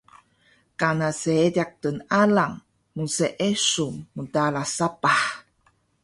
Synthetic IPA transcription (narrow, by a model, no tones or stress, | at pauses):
kanaseediak̚tənalaŋ | munseʔesumːudalasapaħ